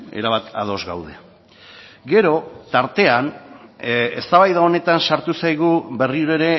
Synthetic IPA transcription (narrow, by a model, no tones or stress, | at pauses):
e̞̰ɾaβat̪a̰ð̞o̞zɡa̰wðe̞̰ | ɡe̞ɾo̞t̪aɾt̪e̞an | est̪aβajðao̞ne̞t̪ansaɾt̪usajɣube̞riuɾe̞ɾe̞